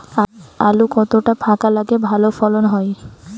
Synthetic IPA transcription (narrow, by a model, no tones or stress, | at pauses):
a̰lukɔt̪oʈapʰakalaɡebʱalofɔlonɦɔj